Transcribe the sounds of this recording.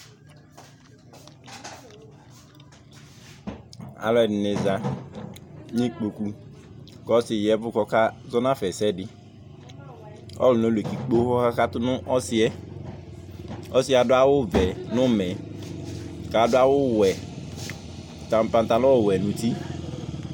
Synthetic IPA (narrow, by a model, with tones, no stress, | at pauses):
a̰˨lɔ˦ɛ˨dɪ˨ne˨za˨ | ɲĩ˦k͡po˨ku˦ | kɔ˦sɪ˨jɛ˦vʊ˦kɔ˦ka˦zɔ˦nã˦fɛ˨sɛ˦dɪ˦ | ɔ̰˦lu˨no˦le˨ki˨k͡po˦hɔ˦ha˦ka˦t̪ʊ˦nʊ̃˦ʔɔ˦sɪ˦ɛ˦ | ɔ˦si˦a˨dʊ˦a˦wʊ˦vɛ˨nʊ̃˦mɛ˨ | ka˨dʊ˦a˦wʊ˦wɛ˨ | ta˨tã˦t̪a˦lɔ˦˨wɛ˨nʊ̃˨t̪i˦